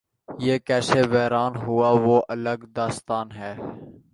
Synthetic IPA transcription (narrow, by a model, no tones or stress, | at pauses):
jeːkɛːseːʋɛːɾaːnɦʊaːʋoːʔələɡd̪aːst̪aːnɦɛː